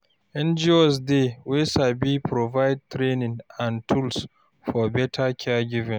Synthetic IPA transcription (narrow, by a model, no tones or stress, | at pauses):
ʔɛ̃nd͡ʒiosdewesabipɾovajd̚tɾenɪ̃ŋãntʰuls | fɔbɛtʰakʲʰɛɡʲivɪ̃n